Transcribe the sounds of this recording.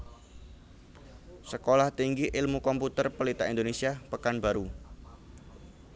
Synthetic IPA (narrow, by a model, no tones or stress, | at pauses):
səkolaht̪iŋɡiʔɪlmukɔmput̪ərpəlit̪aind̪onesiapəkanbaɾu